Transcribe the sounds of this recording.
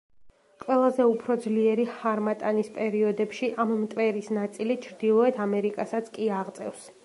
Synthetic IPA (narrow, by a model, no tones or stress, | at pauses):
qʼwɛlˠazɛupʰɾɔd̪zliɛɾihaɾmat̪ʼanispʼɛɾiɔd̪ɛpʃiʔammt̪ʼvɛɾisnat̪sʼilit͡ʃʰɾd̪ilˠɔɛt̪ʰamɛɾikʼasat̪sʰkʼiaʁt̪sʼɛ̰fs